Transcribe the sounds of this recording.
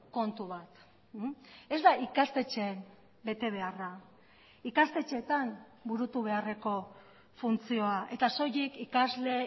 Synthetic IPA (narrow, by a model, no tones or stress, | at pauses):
ko̞nt̪uβat̪ | e̞zd̪aikast̪e̞t͡ʃeːm | be̞t̪e̞β̞e̞ara | ikast̪e̞t͡ʃe̞t̪am | buɾut̪uβe̞are̞ko̞ | funt͡sio̞aʔe̞t̪aso̞jikikazle̞